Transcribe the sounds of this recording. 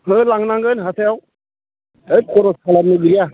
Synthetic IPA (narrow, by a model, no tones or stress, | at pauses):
mɯlaŋnaŋɡɯnɦatʰajaw | ɯjkʰɔɾɔsʰalanɯɡɯɾija